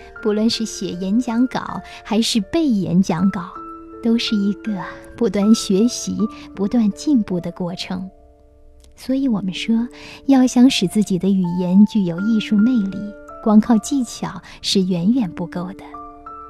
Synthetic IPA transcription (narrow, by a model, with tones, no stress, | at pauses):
pu˧˥lwə˥˧nʂɻ̩˥˩ɕjɛ˨˩jɛ˧˥nt͡ɕjɑ˧˥ŋkɑ̰˨˩˦ʊ | xa˧˥ɪʂɻ̩˥˧pe˥˩ɪjɛ̰˧˥nt͡ɕjɑ˧˥ŋkɑ˨˩˦ʊt̪o˥ʊʂɻ̩˥˩i˧˥ɡə˧pu˧˥t̪wa˥˩nɕɥɛ˧˥ɕḭ˧˥pu˧˥t̪wa˥˧nt͡ɕi˥˧npu˥˩d̪ə˩kwɔ˥˩ʈ͡ʂʰɤ˧˥ŋ | swɔ˧˥i˧˥wɔ˨˩mə˦nʂwɔ˥jɑ˥˩ʊɕjɑ˥˧ŋʂɻ̩˨˩t͡sɹ̩˥˩t͡ɕi˨˩d̪ə˦y˨˩jɛ˧˥nt͡ɕy˥˩jo˨˩ʊi˥˧ʂu˥˧ne˥˧ɪli˨˩˦kwɑ˥ŋkʰɑ˥˧ʊt͡ɕi˥˩t͡ɕʰjɑ˨˩˦ʊ | ʂɻ̩˥˩ɥɛ˧˥nɥɛ˨˩npu˥˩ko˥˩ʊd̪ə˨